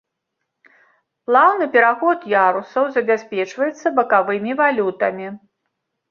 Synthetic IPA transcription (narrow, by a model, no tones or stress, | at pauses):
plˠawnɨpʲɛɾaxɔt̪jaɾusɐwzɐbʲasʲpʲɛt͡ʂvɐjɛt̪sːɐbɐkavɨmʲivalʲut̪ɐmʲi